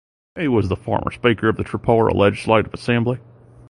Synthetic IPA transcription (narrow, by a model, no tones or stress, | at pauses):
iwʌzðəfɑ̰ɹmʔə̰˞speɪkə˞ʌvðɨtʰɹ̥ɨpʰoʊə˞ə̰lʔɛd͡ʒɨsleɪɾʌvəsɛ̃mbli